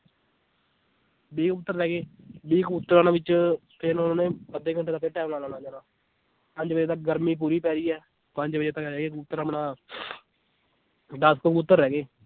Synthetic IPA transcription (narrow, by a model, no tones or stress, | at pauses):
biːkʊt̪ːəɾːɛːɡeːbiːkʊt̪ːəɾaːnaːʋɪt͡ʃpʰɪnonãːnẽːpəd̪eːkəɳʈeːt̪aːkʰeːʈɛːmlaːlaːnãːd͡ʒaːnãː | pəɲd͡ʒbəd͡ʒeːt̪ək̚ɡəɾmiːp̬uːɾiːpɛːɾiːɛː | pəɲd͡ʒbəd͡ʒeːt̪əkɾɛːɡeːkʊt̪ːəɾaːmnãː | ɖaːskokpʊt̪ːəɾːɛːɡeː